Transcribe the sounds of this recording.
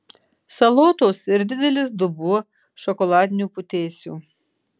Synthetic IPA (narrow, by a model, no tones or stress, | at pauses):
sɐlˠoːt̪oːsɪɾd̪ʲɪd̪ʲɛlʲɪsd̪ʊbuɔ | ʃɔkɔlˠɑːd̪ʲɪnʲuːpʊt̪ʲeːsʲṵː